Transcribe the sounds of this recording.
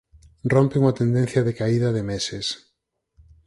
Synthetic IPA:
rrɔmpɪuŋat̪end̪en̟θjɐðekaiðɐðɪmesɪs

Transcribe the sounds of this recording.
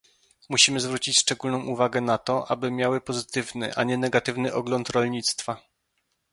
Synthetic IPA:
muɕimɘzvɾut͡ɕit͡ɕʂt͡ʂɛɡulnɔ̃w̃ʔuvaɡɛnat̪ɔʔabɘmʲjawɘpɔzɘt̪ɘvnɘ̰ʔaɲɛnɛɡat̪ɘvnɘʔɔɡlɔnt̪ɾɔlɲit̪st̪fa

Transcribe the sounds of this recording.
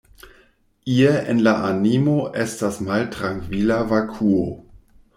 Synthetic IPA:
ieʔenlaʔanimoʔestasmaltɾaŋkvilavakʰuo

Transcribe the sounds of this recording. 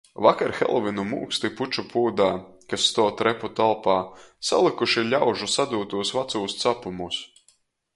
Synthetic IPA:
vakaɾxɛ̰lˠvinumṵːkst̪iput͡ʃupuːd̪aːkasːt̪ɔɔt̪ɾɛput̪alˠpaːsa̰lˠikuʃilʲawʒusad̪uːt̪uɔsvat̪suːst̪sapumus

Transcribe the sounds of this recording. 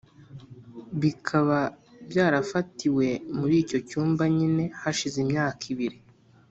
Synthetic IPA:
βikʰaβabjaːɾafatiwe̞muɾiːco̞cuːmbaɲine̞haʃizimɲaːkʰiβiɾi

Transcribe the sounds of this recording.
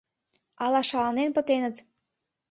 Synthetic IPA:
ɑlɑʃɑlɑnenpə̆t̪enə̆t̪

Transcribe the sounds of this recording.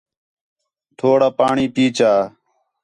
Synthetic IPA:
t̪ʰoːɽaːpaːɳiːpiːt͡ʃaː

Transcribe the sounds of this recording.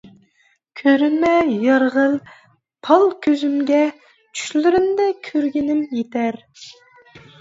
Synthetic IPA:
kʲʰøɾynmɛjɑɾʁəlˠ | pʰɑlˠkʲʰøzymɡʲɛ | t͡ʃʰy̥ʃlɪɾɪnd̪ɛkʲʰøɾɡʲɪnɪmjet̪ʰæɾ

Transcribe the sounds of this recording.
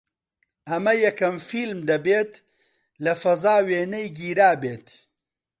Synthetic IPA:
ʔɐmɐjɐkɐmfilmd̪ɐbeːt̪ | lɐfɐzaːweːnɐjɡiːɾaːbeːt̪

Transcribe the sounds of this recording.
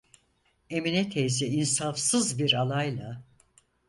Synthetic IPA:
e̞minɛt̪ʰejziinsafsɯzbiɾalˠajlˠa

